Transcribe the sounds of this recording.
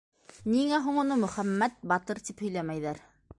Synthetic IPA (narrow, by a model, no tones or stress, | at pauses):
niŋæɦuɴŏnɤmɵ̆χæmːæt̪̚bɑt̪ɤɾt̪iphɵ̆jlæmæjðæɾ